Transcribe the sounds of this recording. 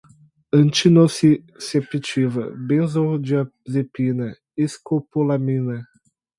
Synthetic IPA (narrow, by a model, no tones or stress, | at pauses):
ɐ̃nt͡ʃinosi | sepit͡ʃivɐ̰bẽzod͡ʒia | zepinɐ | iskopolaminɐ